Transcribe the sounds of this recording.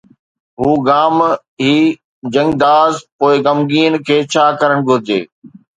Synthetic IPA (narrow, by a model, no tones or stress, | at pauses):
ɦuːɡaːm | ɦiː | d͡ʑɐ̃ŋɡd̪aːzpoːɪɡɐmɡiːnkʰeːt͡ɕʰaːkɐɾəɽ̃ɡʱʊɾɪd͡ʑḛː